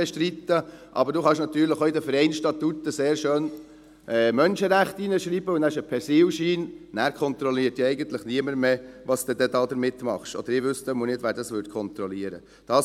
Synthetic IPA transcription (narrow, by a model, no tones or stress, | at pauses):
ɛʃt̪ɾit̪ːəʔɑ̰bəɾduːχɑʃnɑt̪yːɾləχoːɪd̪əfəɾɛɪnʃtɑt̪ut̪ːəseːɾʃøːn | ʔɛmœnʃəɾæχt̪inəʃɾiːb̥əʊndæʃəpʰɛsiːwʃiːnnæːɾkʰɔnt̪ɾɔliːət̪jɑɛɪɡənt̪ləχniəməɾmeʋɑsd̪ɛd̪ɛd̪ɑːd̪əɾmɪt̪ːmɑ̰χʃɔ̰d̥əɾɪʋʏst̪əmunɪtʋæːɾdɑsʋʏtkʰɔnt̪ɾɔliəɾə̰ | d̥ɑː